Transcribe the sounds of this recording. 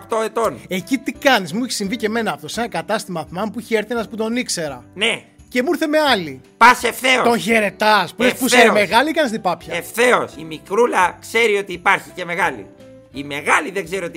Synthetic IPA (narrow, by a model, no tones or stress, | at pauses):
pt̪oe̞t̪one̞cit̪ikɐnismueçi̥siɱvice̞me̞nɐːft̪o̞senɐkɐt̪ɐst̪imɐθmɐmpuiçeeɾθenɐspud̪o̞nikse̞ɾɐne̞ | ce̞muiɾθe̞me̞ɐlipɐsefθe̞ot̪o̞nçe̞ɾe̞t̪ɐspuespuseɾeme̞ɣɐlikɐnist̪ipɐpçɐefθe̞osimikɾulɐkse̞ɾio̞t̪iːpɐɾçice̞me̞ɣɐlḭ | ime̞ɣɐliðeŋɡze̞ɾiot̪